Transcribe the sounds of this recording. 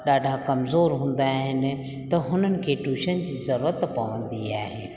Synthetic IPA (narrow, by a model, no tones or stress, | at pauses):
ɗaːɖʱakɐmzoːɾɦũːn̆d̪aɦɪnɪ̆ | t̪ɐɦʊn̤ənɪ̆kʰeːʈuːʃənd͡ʑiːzɐɾuːɾət̪pɐʋə̃nd̪iaːɦḛː